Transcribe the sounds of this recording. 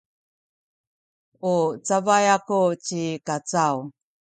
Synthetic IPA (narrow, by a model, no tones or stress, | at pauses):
ut͡savajakut͡ɕikat͡saw